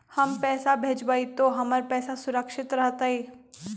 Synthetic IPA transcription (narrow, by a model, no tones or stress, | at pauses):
hɐmpɛːsabʱeːd͡ʒbaːit̪oɦɐməɾpɛːsasʊɾəkʃɪt̪ɾɐɦt̪aɦiː